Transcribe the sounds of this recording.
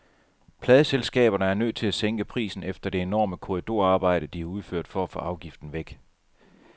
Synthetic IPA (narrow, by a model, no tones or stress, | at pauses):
pʰlɛːð̞ˠəselsɡ̥ɛ̰ːb̥ɐnəæɐnø̰ðt͡sʰe̝læseŋɡ̥əpʰʁḭːsn̩efd̥ɐd̥e̝enɒ̰ːməkʰo̝ʁid̥o̝ɐ̰ɑ̈ːb̥ɑ̈ɪ̰ɾ̥əd̥iæɐuð̞ˠføɐ̰d̥fɒæfɔ̽ʔɑ̈ʊɡ̥ifd̥n̩ʋeɡ̥